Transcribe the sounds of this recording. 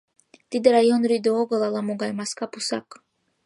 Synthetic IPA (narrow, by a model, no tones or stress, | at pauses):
t̪id̪əɾajonɾid̪uoɡɤlˠalˠamuɡajmaskapusak